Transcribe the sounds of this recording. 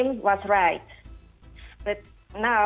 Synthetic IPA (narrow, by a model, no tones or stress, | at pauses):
mwʌzɹaɪt̚ | b̥ʌt̚ | na